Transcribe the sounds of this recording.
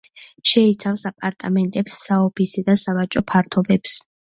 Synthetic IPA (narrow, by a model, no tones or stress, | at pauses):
ʃɛit̪sʰafsapʼaɾt̪ʼa̰mɛnt̪ʼɛpsːaɔpʰisɛd̪asavat͡ʃʼɔpʰaɾt̪ʰɔbɛps